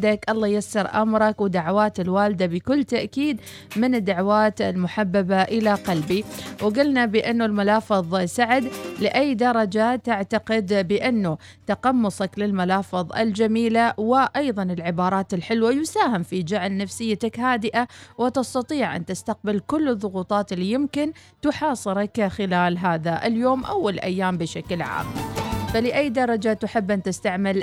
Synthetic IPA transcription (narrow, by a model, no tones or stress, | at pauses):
d̪akʔɑlˤːɑːjasːɑɾʔa̰mɾˤɑkwɪd̪aʕwaːt̪ɪlwaːlɪd̪abɪkʊlːt̪aʔkiːd̪ | mɪnɪd̪ːaʕwaːt̪ɪ̰lmʊħabːabaʔɪlaqalbiwɡʊlnabɪʔɪnːulmalɑːfɨðˤsaʕɪd̪lɪʔajːd̪ɑɾˤɑd͡ʒat̪ːaʕt̪aqɪd̪bɪʔɪnːu | t̪aqɑmːʊsˤɑklɪlmalɑːfɨðˤɪ̰ld͡ʒamiːlawɪʔɑjðˤɑnɪlʕɪbɑːɾˤɑːt̪ɪlħɪlwajʊsaːhɪmfid͡ʒaʕlnafsɪjːat̪akhaːd̪ɪʔawɪt̪ɪst̪ɑt̪ˤiːʕʔa̰nt̪ɪst̪aq̚bɪlkʊlːɨðˤːʊɣuːt̪ˤɑːt̪ɪlːijɪmkɪn | t̪ʊħɑːsˤɨɾˤɑkxɪlaːlɦaːðaʔɪ̰ljoːmʔawːalʔa̰jːaːmbɪʃaklʕa̰ːmfalɪʔajːd̪ɑɾˤɑd͡ʒat̪ʊħɪbːʔant̪ɪst̪aʕmɪl